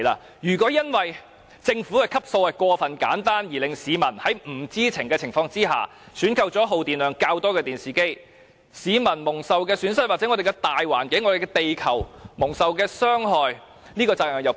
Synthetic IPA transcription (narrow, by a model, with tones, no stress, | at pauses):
la̰ː˧ | jyː˨˩kʷɔː˨˥jɐ˥nwɐ˨j | t͡sɪ˧ŋfuː˨˥ɛ˨jkʰɐ˥p̚so˧wɐ˨kʷɔː˧fɐ˨nka̰ː˨˥nt̪aː˥njiː˨˩lɪ˨ŋsiː˨˧mɐ˨˩nhɐ˨˥jm̩˨˩t͡siː˥t͡sʰɪ˨˩ŋkɛː˧t͡sʰɪ˨˩ŋfɔː˧ŋt͡siː˥ɦa̰ː˨ | syː˨˥nkʰɐ˧wt͡sɔː˨˥ɦo˨wt̪iː˨nlœː˨˧ŋkaː˧wt̪ɔː˥kɛː˧t̪iː˨nsiː˨˩ke˥j | siː˨˧mɐ˨˩nmʊ˨˩ŋsɐ˨wkɛː˧syː˨˥nsɐ˥t̚waː˨ɛ˨˥ŋɔ˨˧d̪e˨jkɛ˧t̪aː˨jwa̰ː˨˩nkɪ˨˥ŋɔː˨˧e˨jkɛ˧t̪e˨jkʰɐ˨˩wmʊ˨˩ŋsɐ˨wkɛː˧sœː˥ŋɦɔː˨j | niː˥kɔː˧t͡saː˧k̚œː˨˩ŋjɐ˨˧w